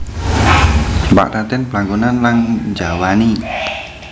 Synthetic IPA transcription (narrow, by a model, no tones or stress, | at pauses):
mba̰ʔɾat̪ɛnplaŋɡonanlaŋd͡ʒawani